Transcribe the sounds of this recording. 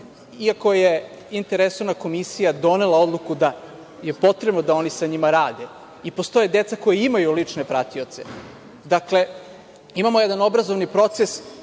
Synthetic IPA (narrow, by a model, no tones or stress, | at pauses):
iako̞je | int̪eɾesoʋnako̞misijad̪o̞ne̞lˠao̞d̪lˠukud̪a | je̞po̞t̪ɾebnod̪ao̞nisaɲimaɾaːd̪e̞ | ipo̞st̪o̞jed̪e̞t̪sako̞jeimajulit͡ʂne̞pɾat̪io̞t̪se̞̰ | d̪akle̞ | imamojed̪ano̞bɾazo̞ʋnipɾo̞t̪ses